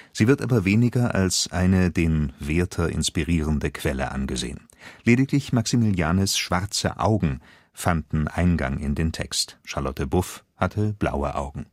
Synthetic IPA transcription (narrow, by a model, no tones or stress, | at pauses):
z̥iːvɪɐtʔa̰ːbɐveːnɪɡɐʔa̰lsʔaɪnədeːnveːɐtʰɐʔɪ̰nspiʁiːʁ̞əndəkʰv̥ɛlə̰ʔa̰nɡəzḛːən | leːdɪklɪçmaksimiljaːnəsʃv̥aʁt͡sə̰ʔa̰ʊɡŋ̩ | fandn̩ʔaɪnɡa̰ŋɪ̰ndeːntʰɛ̰kstʃaɐlɔtʰəbʊfhatʰəb̥la̰ʊə̰ʔa̰ʊɡŋ̩